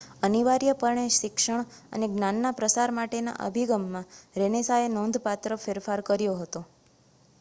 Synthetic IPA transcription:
əniʋaɾjəpəɾɳeʃɪkʃəɳ̃ | ə̰neɡnanːapɾəsaɾmaʈena̰ʔə̰bʱiɡəmːãɾenesaenɔ̃nd̪ʱpat̪ɾəfeɾfaɾkəɾjoɦət̪o

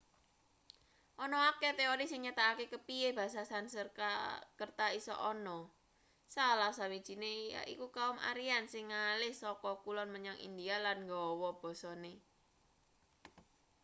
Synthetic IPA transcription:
ʔɔnɔaket̪eoɾisɪŋɲat̪aakekəpieb̥a̤sasansərkakərt̪aisɔ̰ʔɔnɔ | salahsawid̥ʒ̥i̤nea̰ʔḭkukaʊma̰ɾiansɪŋːalɪhsɔkɔkulɔnməɲaŋḭnd̪ialanŋɡɔwɔb̥ɔ̤sɔne

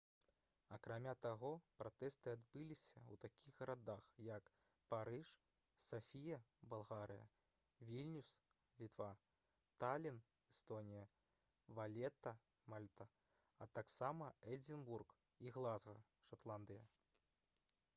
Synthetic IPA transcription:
ɐkɾamʲat̪aɣɔpɾat̪ɛst̪ɨad̪bɨlʲisʲɐwt̪akʲiɣɣɐɾad̪axjɐk | paɾɨʂ | safʲijɐbalˠɣaɾɨ̰jɐ̰ | vʲilʲnʲus | lʲit̪va | t̪alʲin | ɛst̪ɔnʲijɐ | valʲɛt̪ɐ | malʲt̪ɐ | ɐt̪aksamɐɛd͡zʲinburk | iɣlˠazɣɐ̰ | ʂat̪lˠand̪ɨjɐ

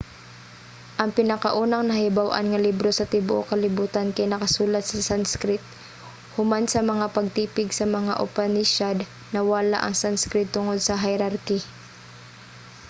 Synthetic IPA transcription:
ʔɐŋpɪnɐkaʔuːnɐŋnɐhɪbawʔa̰nŋɐlibɾosɐt̪ɪbʊʔo̰kɐlɪbuːt̪ankɐjnɐkɐsuːlɐt̪̚sɐsanskɾɪt̪̚ | hʊmansɐmɐŋapɐɡ̚t̪iːpɪɡsɐmɐŋaʔʊ̰panɪʃad̪ | nɐwala̰ʔɐŋsanskɾɪt̪ːʊŋod̪̚sɐɦɪɾaɾkɪ

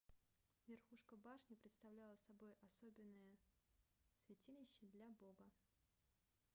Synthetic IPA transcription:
vʲɪrxuʂkəbaʂnʲɪpɾʲɪt̪st̪ɐvlʲalˠəsɐbo̞jɐsobʲɪnːəjə | svʲɪtʲilʲɪɕːɪd̪lʲabo̞ɡə

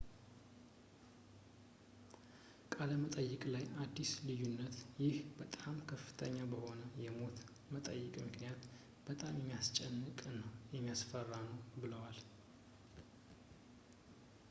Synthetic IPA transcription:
kʼaləmət̪ʼəjːɪkʼlajad̪ːislɨjunːət̪jɪhbət̪ʼamkʰəfːɨ̥t̪ʰəɲːabəho̞nəjɛmo̞t̪ | mət̪ʼə̰jːɨkʼmɨknijat̪ | b̥ət̪ʼamjɛmːijast͡ʃʼɛnːɨkʼnəwjɛmːijasfərːanəwbɨləwal

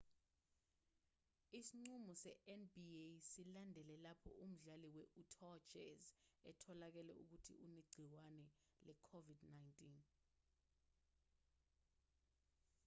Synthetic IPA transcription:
isiŋ͡ǀumɔsɛʔɛnbiesilandʱɛlɛlapʰɔ̰ʔum̩ɮaliwɛʔutʰɔd͡ʒɛ̰zɛtʰɔlak̬ɛlɛ̰uk̬utʰḭʔuneɡ͡ǀʱiwanɛ | lʔɛkʰovidnajntʼin

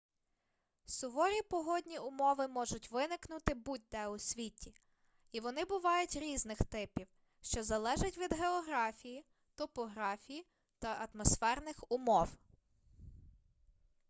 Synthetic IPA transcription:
sʊʋɔɾʲipɔɦɔdʲnʲiʊmɔʋɪmɔʒʊtʲʋɪnɪknʊt̪ɪbut̪̚ʲd̪ɛʊsʲʋʲitʲi | iʋɔnɪbʊʋɑjʊtʲɾʲiznɪxt̪ɪpʲiw | ʃt͡ʃɔzɐlˠɛʒɪtʲʋʲid̪ɦeɔɦɾɑfʲiji | t̪ɔpɔɦɾɑfʲiji | t̪ɐʔɐt̪mɔsfɛrnɪxʊmɔw

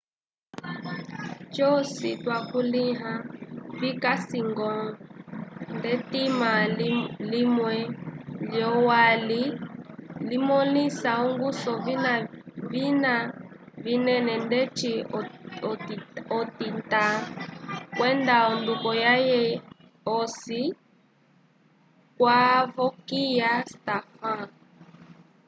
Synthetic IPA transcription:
t͡ʃɔsitwakuliɦavikasiŋɡɔ | ndɛtimalimwɛljɔwali | limɔlisauŋɡusɔvinavina | vinɛnɛndɛt͡ʃiɔɔtinta | kwɛndaɔndukɔjajɛ | ɔsi | kwavɔkijastafa

